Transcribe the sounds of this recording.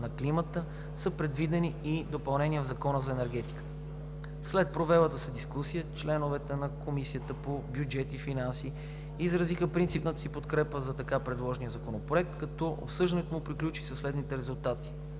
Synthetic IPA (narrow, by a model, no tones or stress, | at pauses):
nɐklimət̪ə | səpɾɛd̪vid̪ɛniːd̪opɐlˠnɛnijəvzɐkɔnəzɐɛnɛɾɡ̟ɛt̪i̥kə̥t̪ə̥ | slɛt̪̚pɾovɛlˠət̪əsəd̪iskusijət͡ʃlɛnovɛt̪ɛnɐkomisiət̪əpobʲjud͡ʒɛt̪ifinansiː | zɾɐzixəpɾint̪sipnət̪əsipot̪kɾɛpəzɐt̪ɐkapɾɛd̪lˠɔʒnijəzɐkonopɾoɛk̚t̪kɐt̪ɔʔo̰psɤʒd̪nɛt̪omʊpɾiklʲut͡ʃi̥səslɛd̪nit̪ɛɾɛzulˠt̪at̪i̥